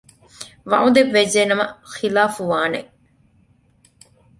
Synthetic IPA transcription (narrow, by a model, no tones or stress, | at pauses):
ʋɐ̰ʔud̪eʋːed͡ʒeːnɐmɐ̰xilaːfuʋaːnḛ